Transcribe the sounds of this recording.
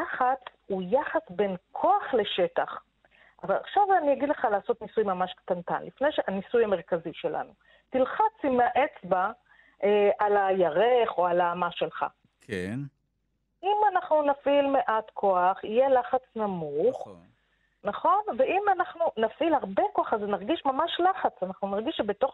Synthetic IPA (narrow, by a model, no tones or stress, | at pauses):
laχat͡s | ujaχasbe̞nkʰo̞aχle̞ʃe̞taχ | ʔavala̰χʃavaniaɡid̪le̞χalaːso̞t̪nisujmamaʃkt̪anta̰nlifne̞jʃeanisujame̞ʁkaziʃe̞lʔa̰nu | tilχat͡simaʔe̞t͡sba | alajaʁeχo̞alaːmaʃelχa̰ | kʰen | imanaχnunafilmeʔatkʰo̞aχijelaχat͡snamuχ | naχo̞nveimanaχnunafilhaʁbe̞ko̞aχaznaʁɡiʃmamaʃlaχat͡sanaχnunaʁɡiʃʃebeto̞χ